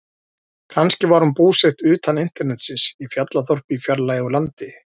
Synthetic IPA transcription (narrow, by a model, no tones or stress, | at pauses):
kʰanscɪvaɾhunpuːsext̪ʏːt̪anɪn̥t̪ɛɾnɛt̪sɪsifjat̪laθɔr̥pɪifjaɾlajɪɔlant̪ɪ